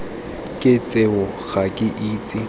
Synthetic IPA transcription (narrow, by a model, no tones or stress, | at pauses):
kʼɪt͡sʼeʊ | ɣakʼɪʔiːt͡sʼɪ